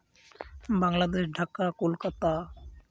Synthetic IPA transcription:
baŋlad̪eʃɖʱakakolkat̪a

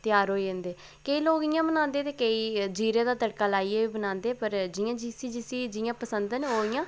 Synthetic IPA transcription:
t̪ɪjaːɾɦoːiːẽːnd̪eː | kəiːloːɡijãːbənãːnd̪eːt̪eːkəiːd͡ʒiːɾẽːd̪aːt̪əɽkaːlaːieːiːbənãːnd̪eːpəɾd͡ʒɪjãːd͡ʒiːsiːd͡ʒisiːd͡ʒɪjãːpəsənd̪neoːijãː

